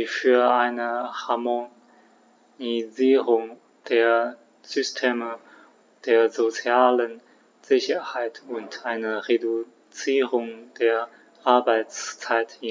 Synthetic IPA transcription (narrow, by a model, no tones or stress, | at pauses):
fyːɐʔaɪnəhaɐmo | iziːʁʊŋ | d̥eːɐ | z̥ystʰeːmə | d̥eːɐzot͡sjaːlən | z̥ɪçɐhaɪtʰʊntʔaɪnəʁedu | t͡siːʁʊŋd̥eːɐ | ʔaɐbaɪt͡st͡saɪtɪ